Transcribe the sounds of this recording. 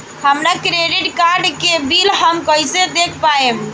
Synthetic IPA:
həmɾakɾeɖiʈkaɾɖkebilɦəmkəjsed̪ekʰpaem

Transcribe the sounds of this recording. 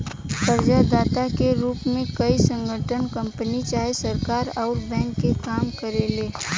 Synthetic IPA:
t̪əɾd͡ʒad̪aːt̪akeɾuːpmẽkɐisə̃ŋɡʱəʈʰənkɐ̃mpənit͡ʃaːɦesɐɾkaːɾɔːɾbɛ̃ːŋkːekaːmkəɾeleː

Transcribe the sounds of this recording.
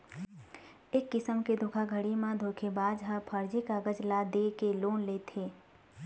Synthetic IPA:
eːkːɪsəmked̪ʱoːkʰaɡʱəɽimãd̪ʱoːkʰebaːd͡ʒɦəpʰəɾd͡ʒikaɡəd͡ʒlad̪eːkeloːnleːt̪ʰeː

